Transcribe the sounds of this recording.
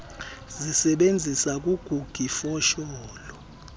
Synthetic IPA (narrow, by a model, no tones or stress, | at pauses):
zisɛɓend͡zʱisak̬ʼuɡ̥ʱuɡ̥ʱifɔʃɔːlɔ